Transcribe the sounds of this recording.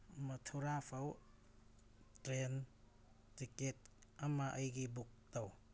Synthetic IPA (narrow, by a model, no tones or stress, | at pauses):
mɐtʰuɾapʰɐw | tɾen | tiket̚ɐmɐʔɐjɡibuk̚taw